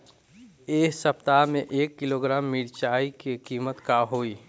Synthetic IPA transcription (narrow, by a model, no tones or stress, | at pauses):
eːsəpt̪amẽʔeːkːiloɡɾaːmːiɽt͡ʃaːikekiːmət̪kaɦoːiː